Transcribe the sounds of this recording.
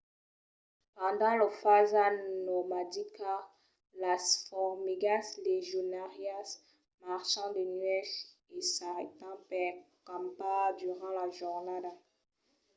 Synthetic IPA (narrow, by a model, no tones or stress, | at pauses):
pɑ̃d̪ɑ̃lofazannɔmad̪ika | lasfɔʁmiɡasleʒonaʁjas | maʁʃɑ̃d̪ənɥɛʃ | esaʁḛt̪ɑ̃pɛkãmpad̪yʁɑ̃laʒuʁnad̪a